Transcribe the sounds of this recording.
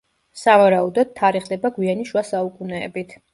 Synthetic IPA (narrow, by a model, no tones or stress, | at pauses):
savaɾaud̪ɔd̪̥̚t̪ʰːaɾiχd̪ɛbaɡwianiʃwasaukʼunɛ̰ːbit̪ʰ